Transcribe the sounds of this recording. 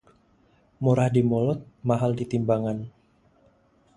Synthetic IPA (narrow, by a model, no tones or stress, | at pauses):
muɾahdimɔlɔt̪̚maɦaldit̪imbaŋan